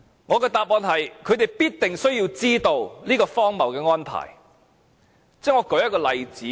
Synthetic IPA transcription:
ŋɔː˨˧kɛː˧t̪aː˨˧p̚mɔː˨˧nhɐ˨jkʰɵ˨˧ɥt̪e˨jpiː˥t̚t̪ɪ˨ŋsɵ˥ɥji˧wt͡siː˥t̪o˧wliː˥kɔː˧fɔː˥ŋmɐ˨˩wkɛː˧ŋɔː˥npʰa̰ː˨˩j | t͡sɛː˥ŋɔː˨˧kɔ˨˧˥jɐ˥t̚kɔː˧lɐ˨˧jt͡siː˨˦

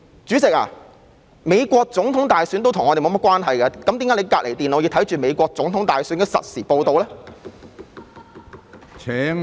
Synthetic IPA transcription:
t͡syː˨˥t͡sɪ˨k̚a̰ː˨˩ | me˨˧jkʷɔː˧k̚t͡sʊ˨˥ŋt̪ʰʊ˨˥ŋt̪aː˨jsy˨˥nt̪o˥wt̪ʰŋɔː˨˧e˨mo˨˧m̚˥kʷwaː˥nɦɐ˨jkɛ˧kɐ˨˥mt̪ːŋaː˨˥le˨˧kaː˧k̚le˨˩jt̪i˨no˨˧i˧t̪ʰɐ˨˥jt͡ʃyː˨˩me˨˧jkʷɔː˧k̚t͡sʊ˨˥ŋt̪ʰʊ˨˥ŋt̪aː˨jsyː˨˥nkɛ˧sɐ̰˨t̚siː˨˩po˧wt̪o˧wlɛː˥ | t͡sʰɛː˨˥

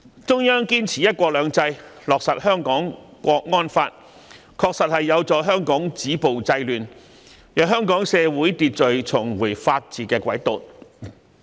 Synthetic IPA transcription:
t͡sʊ˥ŋjœː˥ŋkiː˥nt͡sʰiː˨˩jɐ˥t̚kʷɔː˧k̚lœː˨˧ŋt͡sɐ˧jlɔː˨k̚sɐ˨t̚hœː˥ŋkɔː˨˥ŋkʷɔː˧k̚ŋɔː˥nfaː˧t̚ | kʰɔː˧k̚sɐ˨t̚hɐ˨jːɐ˨˧wt͡sɔː˨jɦœː˥ŋkɔː˨˥ŋt͡siː˨˥po˨wt͡sɐ˧jlyː˨n | jœː˨˧ɦœː˥ŋkɔː˨˥ŋsɛː˧wuː˨˥jt̪iː˧t̚t͡ʃɵ˨ɥt͡sʰʊ˨˩ŋwu˨˩jfaː˧t̚t͡siː˨˩kɛː˧kʷwɐ˨˥jt̪o̰˨˩n

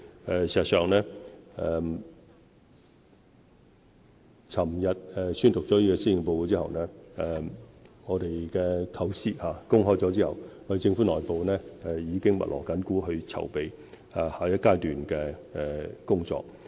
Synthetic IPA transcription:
ɛ˨˧si˨˩sɐ˨t̚sœː˨ŋnɛː˥ɛ˨m | t͡sʰɐ˨˩mjɐ˨t̚ɛː˨syː˥nt̪ʊ˨k̚t͡sɔː˨˥jy˥ɛ˧siː˥jɪ˨ŋɛpo˧wko˧t͡siː˥hɐ˨wnɛː˥ɛ˨˩ŋɔː˨˧ɾe˨jkɛː˧kʰɐ˨˥wsiː˥haː˨˧kʊ˥ŋɦɔː˥˩jt͡sɔ˨˧˥t͡siː˥hɐ̰˨wŋɔː˨˧de˨jt͡sɪ˧ŋfuː˨˥nɔː˨jpo˨wnɛː˥ɛ˨jiː˨˧kɪ˥ŋmɐ̰˨˩lɔ̰ː˨˩kɐ˨˥nkuː˨˥ɦɵ˧ɥt͡sʰɐ̰˨˩wpe˨˧j | aː˨˧haː˨jɐ˥t̚kaː˥jt̪yː˨nkɛː˧ɛ˨kʊ˥ŋt͡sɔ̰ː˨k̚

